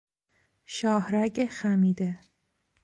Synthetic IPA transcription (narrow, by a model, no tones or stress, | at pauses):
ʃɒːhɾæɟexæmiːd̪e